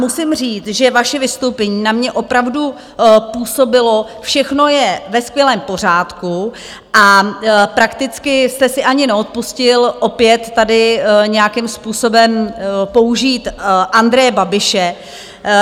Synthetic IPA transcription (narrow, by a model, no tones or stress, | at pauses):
musɪmr̝iːt͡s̪ʒɛvaʃɛvɪst̪o̞wpɛɲiːnamɲɛʔo̞pɾavdu | puːso̞bɪlo̞fʃɛxno̞jɛvɛskʋjɛlɛːmpo̞r̝aːt̪ku | ʔapɾakt̪ɪt͡skɪst̪ɛsɪʔaɲɪnɛo̞t̪̚puscɪlʔo̞pɪjɛt̪ːadɪɲɛjakɪmspuːso̞bɛmpo̞uʒiːt̪ʔand̪ɾɛjɛbabɪʃɛ